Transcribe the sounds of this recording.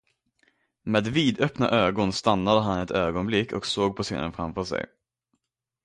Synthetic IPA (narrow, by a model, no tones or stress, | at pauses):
meːd̪viːd̪œpna̰ʔøːɡɔnst̪anːad̪əɦanɛt̪øːɡɔnblɪkːɔ̰ksoːɡ̚pʰɔsḛːnə̰nfɾamfœʂɛ̰j